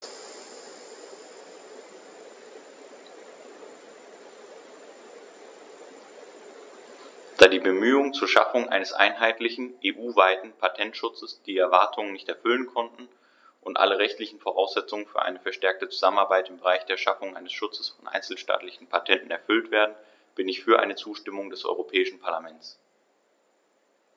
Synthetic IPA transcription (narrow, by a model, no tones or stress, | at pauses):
d̥aːdiːbəmyːʊŋt͡suːɐʃa̰fʊŋʔa̰ɪnəsʔa̰ɪnɦaɪtlɪçn̩ʔeːʔuːvaɪtn̩pʰatʰɛntʃʊt͡səsd̥iːɛɐvaɐtʰʊŋənːɪçtɛɐfʏlənkʰɔntn̩ | ʔʊntʔa̰ləʁɛçtlɪçn̩foʁ̞aʊsz̥ɛt͡sʊŋənfyːɐʔa̰ɪnəfɛɐʃtɛɐk̚tət͡su̥zamənaɐbaɪtɪmbəʁ̞aɪçd̥eːɐʃafʊŋʔa̰ɪnəsʃʊt͡sə̥sfɔnʔa̰ɪnt͡sl̩ʃta̰ːtlɪçn̩pʰatʰɛntn̩ɛɐfʏltv̥eːɐdn̩ | b̥ɪnɪçfyːɐʔa̰ɪnət͡suːʃtɪmʊŋdɛsʔɔ̰ʏʁopʰɛːɪʃn̩pʰaɐlamɛnt͡s